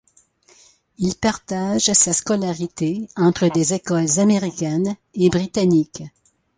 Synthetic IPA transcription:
ilpaʁt̪aʒsaskɔlaʁit̪eɑ̃t̪χəd̪ezekɔlzameʁikʲɛnebʁit̪anik

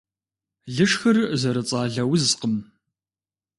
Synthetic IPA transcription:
ɮɨʂxɐrzɐɾɨt͡sʼaːɮɐwzqəm

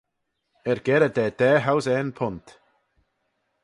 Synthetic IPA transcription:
ɛɾɡ̥ɛɾəd̪ɛːd̪̥ɛːɦawzɛnpʰʊnt̪

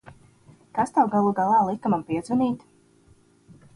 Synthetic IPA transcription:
kast̪awɡalˠuɡalˠɑːlˠikːamampiɛd̪zuniːt̪

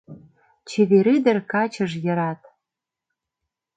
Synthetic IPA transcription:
t͡ɕeβeɾid̪ə̆rkɑt͡ɕə̆ʒjə̆ɾɑt̪

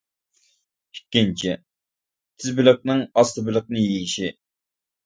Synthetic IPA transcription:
ikʲːint͡ʃʰi | t̪ʰɪzbɪlɨq̚nɨŋɑst̪ɨbɪlˠɨq̚nɨjejiʃi

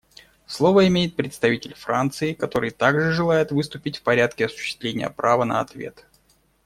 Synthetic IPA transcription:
slˠo̞vəɪmʲejɪt̪̚pɾʲɪt̪st̪ɐvitʲɪlʲfɾant̪sɨɪkɐt̪o̞ɾɨjt̪aɡʐɨʐɨlˠajɪt̪vɨst̪ʊpʲɪtʲfpɐɾʲat̪kʲɪɐsʊ̥ɕːɪ̥st̪vlʲenʲɪjə̰pɾavənə̰ɐt̪vʲe̞̰t̪

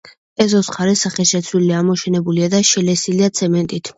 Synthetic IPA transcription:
ɛzɔsχaɾɛsaχɛʃɛt̪sʰwiliamɔʃɛnɛbuliad̪aʃɛlɛsiliat̪sʰɛmɛnt̪ʼit̪ʰ

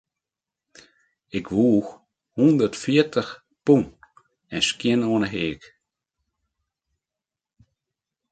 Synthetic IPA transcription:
ɪkvuːx | hund̪əɾtfitʰəx | pun | ɛnʃkiənɔːnəɦeːɡ

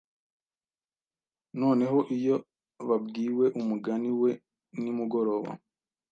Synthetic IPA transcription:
no̞ːne̞ɦo̞ʔijo̞ | βab̚ɡiːwe̞ʔumuɡaniwe̞ | nimuɡo̞ɾo̞ːβa̰

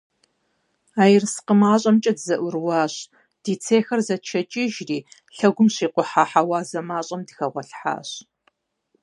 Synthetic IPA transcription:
aːjɪrsqəmaːɕʼɐmt͡ʃʼɐdzɐʔʷʊrwɑːɕ | d̥iːt͡sʰeːxɐrzɐt͡ʃʰɐt͡ʃʼɪʒriːɬɐɡʷʊmɕiːqʷʊħaːħawaːzɐmaːɕʼɐmdxɐʁʷɔɬħa̰ːɕ

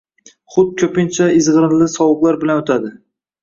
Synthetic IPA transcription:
χʊd̪̚kʲʰɵpɪnt͡ʃʰaɪzʁɨɾɪnlɪsɒwɨqlˠaɾbɪlanot̪ʰad̪ɪ

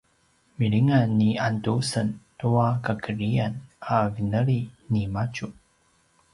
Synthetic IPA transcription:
miɭiŋanːiantusəntuakakəɾianavinəɭinimat͡ʃu

